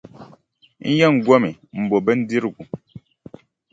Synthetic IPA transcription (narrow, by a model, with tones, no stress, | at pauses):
n̩˦jɛ˦˨ŋ̩˨ɡwɔ˦mi˨m̩˨bo˨bə˦n̩˦di˦ɾɡu˨